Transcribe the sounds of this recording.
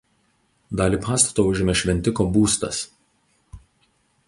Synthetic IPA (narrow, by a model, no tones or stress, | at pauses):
d̪ɑːlʲiːpɑːst̪ɐ̥t̪oːʊʒʲɪmʲɛʃʲʋʲɛnʲt̪ʲɪkoːbuːst̪ɐ̰s